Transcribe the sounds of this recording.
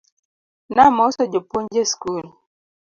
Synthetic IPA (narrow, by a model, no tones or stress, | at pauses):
namɔsɔd͡ʒipund͡ʒeskul